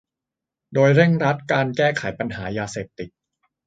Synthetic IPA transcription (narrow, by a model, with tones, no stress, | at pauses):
doː˧jɾe˥˩ŋɾa˦˥t̪̚kaː˧nkɛː˥˩kʰa˨˩˦jpa˧nɦaː˩˦jaː˧seː˨˩p̚t̪i˨˩t̪̚